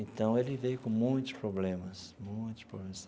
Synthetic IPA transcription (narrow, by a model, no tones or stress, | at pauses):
ẽt̪ɐ̃w̃elɪvejkõmõj̃t̪ʊ̥spɾoblẽmɐsmõj̃t̪ʊ̥spɾoblemɐs